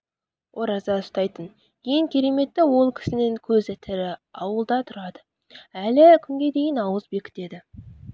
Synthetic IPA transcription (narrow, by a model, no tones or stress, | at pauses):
wʔoɾɑzɑəst̪ɑjt̪ən | je̞ŋkʲʰe̞ɾe̞me̞t̪ːɪwo̞lˠkʲʰɪ̥sɪnɪŋkʲʰɵzɪt̪ʰɪɾɪɑwəlˠd̪ɑt̪ʰʊɾɑd̪ə | ælɪkʲʰʏŋɡʲe̞d̪e̞jɪnɑwəzbe̞kʲʰɪ̥t̪e̞d̪ɪ